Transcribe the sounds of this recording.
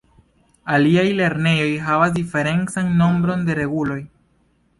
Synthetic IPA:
aliajle̞ɾne̞jo̞jɦavasdife̞ɾe̞nt͡sanːo̞mbɾo̞nde̞ɾe̞ɡulo̞j

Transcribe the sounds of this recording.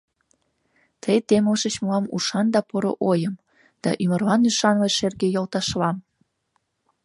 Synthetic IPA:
t̪ʰəjt̪eməʃət͡ɕmoɑmṵʃɑnd̪ɑpoɾo̰ʔojəm | d̪̥ɑ̰ʔymərlɑnyʃɑnvəʃerɣejolt̪ɑʃlɑm

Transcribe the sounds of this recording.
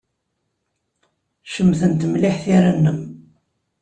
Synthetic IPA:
ʃəmːθənt̪mlɪħθiɾanːəm

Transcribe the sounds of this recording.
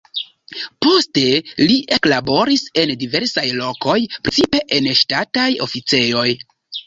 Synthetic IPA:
po̞ste̞liʔe̞klabo̞ɾise̞ndive̞ɾsajlo̞ko̞jpɾet͡sipe̞ʔenʃtatajo̞̰fit͡se̞jo̞j

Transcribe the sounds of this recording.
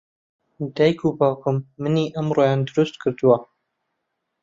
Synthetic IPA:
d̪æːjkʰubaːkʊmːɨniːʔamɾojaːnd̪ʊɾʊst̪̚kʰɨɾd̪uwa

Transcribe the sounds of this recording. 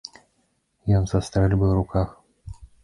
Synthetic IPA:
jɔnzast̪ɾɛlʲbɨwrukʰax

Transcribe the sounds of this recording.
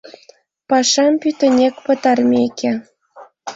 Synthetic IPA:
pɑʃɑmpyt̪ɘ̆nʲekpɤ̆t̪ɑrmʲekʲʰe

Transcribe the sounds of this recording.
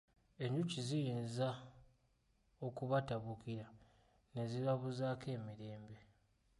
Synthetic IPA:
e̞ɲɟucizijiːnza | o̞kuβataβukiɾa | ne̞zilaβuzaːkʰe̞ːmiɾe̞ːmbe̞

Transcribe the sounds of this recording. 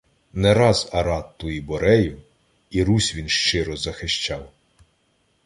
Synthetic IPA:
nɛɾɑzɐɾɑt̪ːʊjibɔɾɛjʊw | iɾusʲʋʲinʃt͡ʃɪɾɔzɐxɪʃt͡ʃɑw

